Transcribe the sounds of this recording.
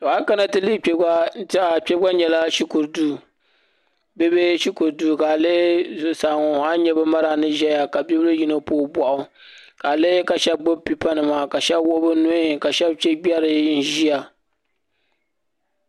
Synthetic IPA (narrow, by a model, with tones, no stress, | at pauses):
to˨a˦ka˦na˦tɨ˦li˦ta˨k͡pʲɛ˦bɡa˦ɲɛ˨la˦ʃi˦ku˨ɾdu˦˨ | be˦be˦ʃi˦ku˨ɾdu˦˨ka˨le˦˨sa˨ŋʊ˨a˦ɲɛ˦bɛ˦ma˦ɾa˨nɨ˦ʒɛ˦ja˨ka˨bi˦bɨ˦ɾɨ˦ji˦no˦poː˦bʷɔ˨ʔʊ˨ | ka˨le˦ka˨ʃɛ˦b̚ɡ͡bo˦bpi˨pa˦nɨ˨ma˨ka˨ʃɛ˦bwo˦bɨ˦nʊ˦˨ka˨ʃɛ˦bt͡ʃɛ˦ɡ͡bʲɛ˦ɾɨ˨n̩˦ʒi˦a˨